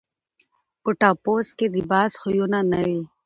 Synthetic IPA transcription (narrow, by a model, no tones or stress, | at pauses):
pʊʈaːpoːskelibaːsxʊjonanɐwi